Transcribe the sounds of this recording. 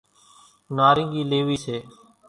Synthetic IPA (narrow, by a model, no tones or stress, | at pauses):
naːɾɪ̃ŋɡiːleːʋiːseː